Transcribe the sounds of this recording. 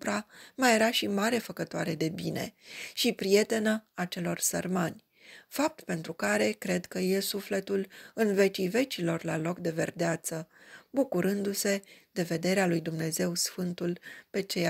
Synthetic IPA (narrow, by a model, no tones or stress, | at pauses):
pɾamaje̞ɾaʃimaɾe̞fəkət̪oaɾe̞d̪e̞bine̞̰ʃipɾije̞t̪e̞nəat͡ʃe̞lo̞rsərmanʲ | fap̚t̪pe̞nt̪ɾukaɾe̞kɾe̞d̪kəje̞sufle̞t̪ulɨnve̞t͡ʃive̞t͡ʃilo̞rlalo̞kd̪e̞ve̞̰rd̪eat̪səbukuɾɨnd̪use̞d̪e̞ve̞d̪e̞ɾealujd̪umne̞ze̞wsfɨnt̪ulpe̞t͡ʃe̞j